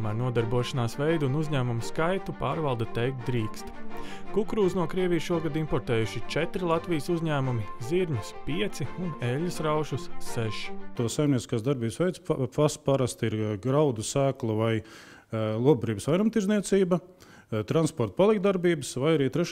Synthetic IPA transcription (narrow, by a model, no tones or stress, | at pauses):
mæːɾnuɔd̪aɾbuɔʃanaːsvɛjd̪unuzɲæːmumskajt̪upaːɾvalˠd̪at̪ɛjk̚t̪̚d̪ɾiːkst̪kukɾuːsnuɔkɾiɛvʲijsʃuɔɡad̪impɔɾt̪ɛːjuʃit͡ʃɛt̪ɾilˠat̪vijsuzʲɲæːmumiziɾɲuspiɛt̪siunɛlʲːusɾawʃusːɛʃi̥t̪uɔsːajmniɛt̪iskaːsd̪aɾbiːbsʋɛjt̪spaspaɾast̪iɾɡɾawd̪usæːklˠuvaj | lˠuɔb̚bɾiːbəsʋajɾumt̪iɾzniɛt̪siːbɐ | t̪ɾanspɔɾt̪palˠikt̪d̪aɾbiːbəsvajaɾiːt̪ɾɛʃ